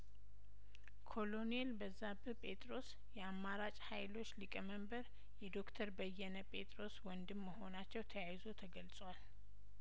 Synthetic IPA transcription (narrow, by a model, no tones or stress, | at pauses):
kʰo̞lo̞nelbəzːabɨpʼe̞t̪ʼɾo̞s | jɛamːaɾat͡ʃʼhajlo̞t͡ʃːlɨkʼəməmbəɾ | jɛd̪o̞kt̪ʰəɾbəjːɛnəpʼe̞t̪ʼɾo̞swɔnd̪ɨmːəho̞nat͡ʃːɛwt̪ʰəjajzo̞t̪ʰəɡəlsʼwal